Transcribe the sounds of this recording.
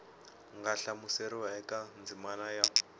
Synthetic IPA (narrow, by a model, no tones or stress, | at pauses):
ŋɡaɬamuseɾiwaɛkʼand͡zimanaja